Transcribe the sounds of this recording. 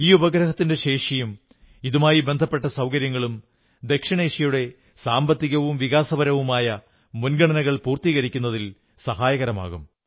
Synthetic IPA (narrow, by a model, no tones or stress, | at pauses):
iːubɐɡɾɐhɐt̪ːinde̞ɕe̞ːʂɐjum | iðumaːjibe̞nd̪ʱɐpːe̞ʈːɐsɐwkɐɾjɐŋːɐɭum | d̪e̞kʂɐɳe̞ːʂijuɽe̞ | saːmbɐt̪ːiɣɐʋumʋiɣaːsɐbɐɾɐʋumaːjɐ | munɡɐɳɐnɐɣɐɭpuːrt̪iːɣɐɾikʲːunːɐðil | sɐɦaːjɐɣɐɾɐma̰ːɣum